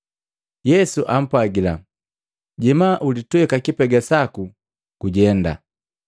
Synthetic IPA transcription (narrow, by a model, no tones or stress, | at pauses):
jɛsuʔam̩pwaɡila | ɟɛmaʔulituɛkakipɛɡasaku | kuɟɛnda̰